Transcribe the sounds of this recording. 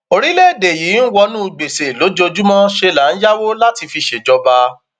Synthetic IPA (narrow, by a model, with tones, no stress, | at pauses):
o˧ɾi˦le˦˨de˨jiː˨˦n̩˦wɔ˧nũ˦˧˨ɡ͡be˨se˨lo˨˦d͡ʒo˧d͡ʒu˦mɔ̃˦ʃe˧la˨˦n̩˦ja˦wo˦la˦ti˧fi˧ʃe˨d͡ʒɔ˧ba˧